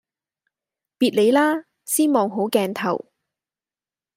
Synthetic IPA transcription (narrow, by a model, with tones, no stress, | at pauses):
piː˨t̚le˨˧jlaː˥ | siː˥mɔː˨ŋɦo˨˥wkɛː˧nt̪ʰɐ̰˨˩w